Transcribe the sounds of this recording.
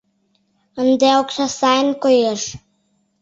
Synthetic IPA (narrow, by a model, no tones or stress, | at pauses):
ə̆nd̪eoksɑsɑjənkojeʃ